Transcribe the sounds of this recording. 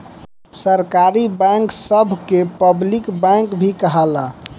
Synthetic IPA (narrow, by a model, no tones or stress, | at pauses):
səɾkaɾibɛ̃ŋksəbʱkepəblikbɛ̃ŋkbʱikəɦəla